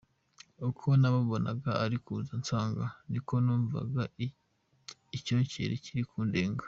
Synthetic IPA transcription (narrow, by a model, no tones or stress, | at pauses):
ukʰo̞naβaβo̞na̰ɡaaɾikuzant͡saːŋɡaniko̞nuːɱva̰ɡa | ico̞ːɲcḛɾʔḛciɾikʰuːndeːŋɡḁ